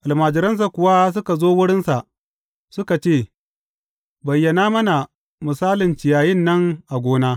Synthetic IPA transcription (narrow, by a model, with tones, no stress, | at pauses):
ʔa˨lmaː˨d͡ʒɪ˨ɾɐ˦ns̬a˨kʷʊ˨wa˦s̬ʊ˦ka˨zoː˦wʊ˦ɽɪ˦nsa˨ʔ | sʊ˦ka˨t͡ʃeː˦˨ | bɐ˨jːɐ˨naː˦mɐ˦na˨ | mʊ˨saː˦lɪ˨nt͡ʃɪ˨jaː˨jɪ˦˨nːɐ˦ŋʔa˨ɡʷoː˦naː˦